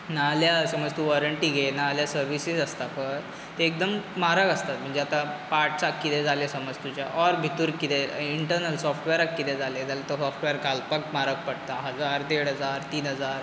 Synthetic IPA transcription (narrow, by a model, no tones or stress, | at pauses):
naljasəməd͡zt̪uʋɔɾəɳʈiːɡʱenaljasəɾʋisisəst̪apəɾ | t̪eːk̚d̪əmmaɾakəst̪at̪m̤əɳd͡zeat̪apaɾʈt͡sakːit̪ed͡zalesəməd͡zt̪ut͡ɕjaʔɔɾbʱit̪uːɾit̪eiɳʈəɾnəlsɔfʈʋeɾakːit̪ed͡zaled͡zalet̪ɔsɔfʈʋeəɾɡʱalpak̚maɾək̚pəɽt̪aɦəd͡zaɾd̪eɽɦəd͡zaɾt̪iːnɦəd͡zaɾ